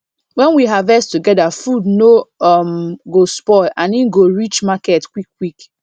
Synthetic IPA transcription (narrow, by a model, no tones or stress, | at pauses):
wɛ̃nwiɦavɛstuɡɛdafudnoɔmɡospɔɪlʔãninɡoɹit͡ʃmakɛtkwikːwik